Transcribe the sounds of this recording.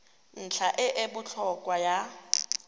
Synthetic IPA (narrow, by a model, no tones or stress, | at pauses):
n̩t͡ɬʰaʔɪʔɪbʊt͡ɬʰɔkʼwaja